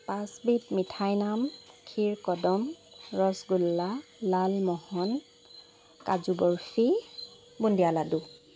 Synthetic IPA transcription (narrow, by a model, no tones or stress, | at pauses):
pasbitmitʰajnamkʰiɹkɔdɔmɹɔsɡulːalalmɔhɔn | kazubɔɹfi | bundijaladu